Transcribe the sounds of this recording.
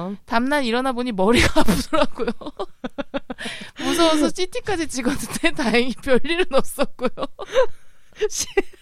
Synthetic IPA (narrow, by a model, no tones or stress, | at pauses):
tamnaniɾʌnaboɲimʌɾiɡapudoɾak͈ujo | mus̬ʰʌas̬ʰʌt͡ɕ͈ʰitʰik͈ad͡ʑit͡ɕiɡʌtʰɯtʰetaeŋipjʌɭːiɾɯnʌs͈ʌk͈ujo | ɕʰ